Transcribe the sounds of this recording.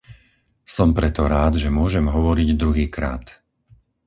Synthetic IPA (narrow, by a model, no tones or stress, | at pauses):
sɔmpɾɛt̪ɔɾaːd̪ʒɛmʊɔʒɛmɦɔʋɔɾiɟd̪ɾuɦiːkɾa̰ːt̪